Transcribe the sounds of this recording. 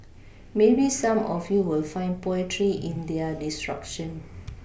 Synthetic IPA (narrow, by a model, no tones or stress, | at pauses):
mebisãmɔfjuwilfãɪ̃npɔətʰɹiʔĩndɛədistɹa̰kʃə̃n